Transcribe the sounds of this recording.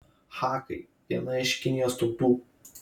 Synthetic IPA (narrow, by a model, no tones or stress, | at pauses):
xɑːkɐ̰ɪ | d̪ʲiɛnɐɪʃʲkʲɪnʲijost̪ub̪uː